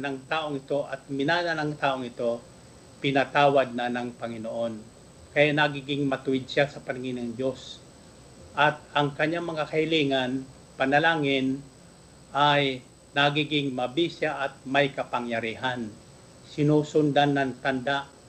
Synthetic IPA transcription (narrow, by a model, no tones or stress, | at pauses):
nɐŋt̪aːʔoŋɪt̪o̞ʔɐt̪̚mɪnaːnɐnɐŋt̪aːʔoŋɪt̪o̞ | pɪnat̪aːwad̪̚nɐnɐŋpɐŋɪnoʔo̞n | kɐjaʔnaɡiɡɪŋmɐt̪ʊɪd̪̚sasɐpɐnɪŋɪnɐŋd͡ʒo̞s | ʔɐt̪̚ɐŋkɐɲːaŋmɐŋakɐhɪliːŋan | pɐnɐlaːŋɪn | ʔaj | nɐɡiɡɪŋmɐbisaʔɐt̪̚mɐjkɐpɐŋjɐɾiːɦan | sɪnuːsʊnd̪anːɐŋt̪ɐnd̪aʔ